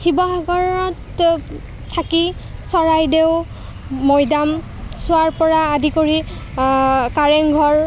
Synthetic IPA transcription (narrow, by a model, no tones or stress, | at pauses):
xibɔɦaɡɔɹɔtʰː | akisɔɹajdeʊː | ɔjdam | sʊaɹpɔɹaːdikoɹi | kaɹɛŋɡʱɔɹ